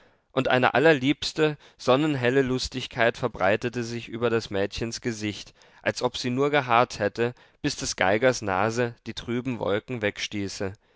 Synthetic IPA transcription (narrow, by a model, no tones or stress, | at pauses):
ʔʊntʔa̰ɪnə̰ʔa̰lɐliːpstə | z̥ɔnənɦɛləlʊstɪçkʰaɪtfɛɐbʁaɪtətəzɪçʔyːbɐɾasmɛːtçənsɡ̥əzɪçt | ʔalsʔɔpz̥iːnuːɐɡəɦaɐthɛtə | b̥ɪsd̥ɛsɡ̥a̰ɪɡɐsna̰ːzəd̥iːtʁ̥yːbm̩vɔ̰lkŋ̩vɛkʃtiːsə